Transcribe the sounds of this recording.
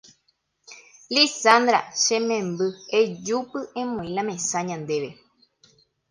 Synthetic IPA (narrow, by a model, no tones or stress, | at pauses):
lisand̪ɾa̰ʃẽmẽmbɨed͡ʒupɨʔẽmõĩlãmẽsãɲãnd̪eʋe